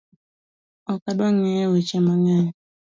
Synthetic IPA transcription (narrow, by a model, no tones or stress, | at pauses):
ɔkadaŋɛwet͡ʃɛmaŋɛ